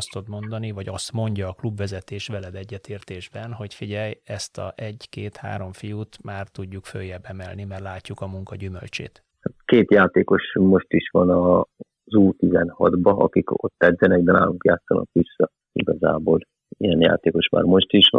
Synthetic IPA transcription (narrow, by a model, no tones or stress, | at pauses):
st̪od̪mo̞nd̪ɒnivɒɟɒst̪mo̞ɲɟɒːklubʋɛzɛt̪eːʃʋɛlɛd̪ɛɟːɛt̪eːrt̪eːʒbɛnɦo̞cfiɟɛjɛst̪ɒ̰ɛɟkeːt̪ha̰ːɾo̞ɱfijut̪maːrt̪uɟːukfø̰jːɛbɛmɛlnimɛrlaːcːukɒmuŋkɒɟymø̰lt͡ʃḛːt̪ | hat̪keːt̪jaːt̪eːko̞ʃmo̞ʃt̪iʃʋɒnɒ | zuːt̪izɛnhɒd̪bɒʔɒ̰kiko̞̰t̪ːɛd̪zɛnɛɡb̪ɛna̰ːluŋkja̰ːt̪sːɒ̰nɒ̰kʋisːɒ | iɡɒzaːbol | ijɛnja̰ːt̪eːko̞ʃma̰ːɾmo̞ʃt̪iʃʋɒ̰